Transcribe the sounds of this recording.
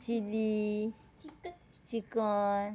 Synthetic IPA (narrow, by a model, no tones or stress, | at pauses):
t͡ʃili | t͡ʃikɔn